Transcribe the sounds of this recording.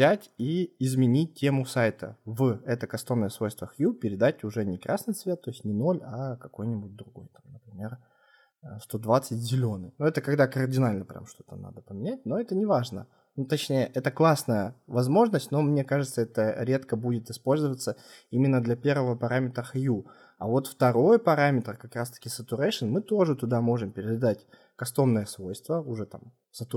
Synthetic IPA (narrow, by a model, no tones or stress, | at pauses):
zʲætʲiɪzmʲɪnʲit̚ʲtʲːemʊsajt̪ə̰vɛt̪əkɐst̪o̞nːəjəsvo̞jst̪vəxjupʲɪɾʲɪd̪atʲʊʐɛnʲɪkɾʔasnɨjsvʲe̞t̪ːo̞ɪsʲtʲnʲɪno̞lʲɐkɐko̞jnʲɪbut̚ʲd̪ɾʊɡo̞̰jt̪amnəpɾʲɪmʲe̞r | st̪o̞d̪vat̪sɨtʲzʲɪlʲo̞nɨ̰jnuɛt̪əkɐɡd̪akərdʲɪnalʲnəpɾʲa̰mʂt̪o̞̥t̪əna̰d̪əpəmʲɪnʲæt̚ʲno̞ɛt̪ənʲɪvaʐnə̰ | nut̪ɐt͡ɕnʲejəʔɛt̪əklˠasnəjəvɐzmo̞ʐnəsʲtʲno̞mnʲe̞kaʐɨt̪səɛt̪əɾʲe̞t̪kəbudʲɪt̪ɪspo̞lʲzɨvət̪səimʲɪnːəd̪lʲɐpʲe̞rvəvəpɐɾamʲɪt̪ɾəxju | ɐ̰vo̞t̪ft̪ɐɾo̞jpɐɾamʲɪt̪ɾəkɐkɾast̪ə̥kʲɪsət̪ʲʊɾaʂɨnmɨt̪o̞ʐɨt̪ʊd̪amo̞ʐɨmpʲɪɾʲɪd̪ad̪atʲ | kɐst̪o̞mnɨjəsvo̞jst̪vəʊʐɛt̪a̰m | sət̪ʊ